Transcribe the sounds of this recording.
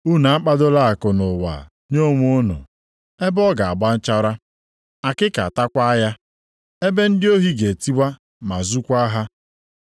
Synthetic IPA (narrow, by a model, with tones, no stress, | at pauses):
u˦na˨a˦k͡pa˦dʊ˦la˦a˨kʊ˨nʊ˨wa̰˨ | ɲo˦˨ŋʷ˦o˦nʊ̰˨ | e˦bɔ˦ɡa˨a˨ba˦n̩˦t͡ʃa˦ɾa˦ | a˨kɪ˦ka̰˨a˨ta˦kʷa˦ja˦ | e˦be˦n̩˦dɪ˦o˦ɦi˦ɡe˨ti˦ɡ͡ba˦ | ma˨zu˦kʷa˦ɦa˦